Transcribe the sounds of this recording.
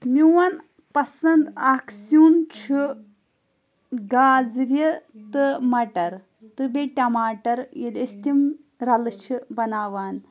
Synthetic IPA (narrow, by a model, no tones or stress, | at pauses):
miwɐn | pɐsɐnd̪aksunt͡ʃʰi | ɡaːzɾʲit̪ɨmɐʈɐɾ | t̪ɨbeʈʲɐmaːʈɐɾjid̪ist̪im | ɾɐlɨt͡ʃʰibɐnaːʋaːn